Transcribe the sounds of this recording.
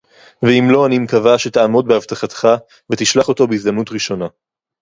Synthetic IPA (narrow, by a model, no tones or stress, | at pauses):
veimlo̞animkavaʃet̪aamo̞d̚behavt̪aχat̪χa | vet̪iʃlaχo̞to̞beizd̪amnutʁiʃo̞na